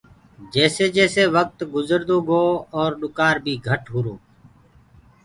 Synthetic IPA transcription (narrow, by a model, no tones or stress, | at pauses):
d͡ʒɛːseːd͡ʒɛːseːʋək̚t̪ɡʊzəɾd̪oːɡoːɔːɾɗʊkaːɾbʱiːɡʱəʈɦʊɾoː